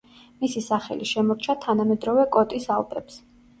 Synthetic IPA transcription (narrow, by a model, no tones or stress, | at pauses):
misisaχɛ̰liʃɛmɔɾt͡ʃʰat̪ʰanamɛd̪ɾɔvɛkʼɔt̪ʼisalˠp̪ʼɛps